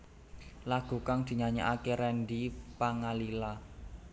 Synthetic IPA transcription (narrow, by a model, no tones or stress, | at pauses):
laɡ̥ṳkaŋd̪̥i̤ɲaɲaʔakeɾɛnɖipaŋalila